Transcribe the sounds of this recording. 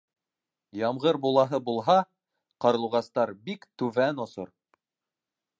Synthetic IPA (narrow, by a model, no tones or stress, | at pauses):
jɑmʁɤɾbulˠɑɦɤbulˠɦɑ | qɑɾɤ̆lˠʁɑst̪ɑɾbikt̪ʉvænŏso̰ɾ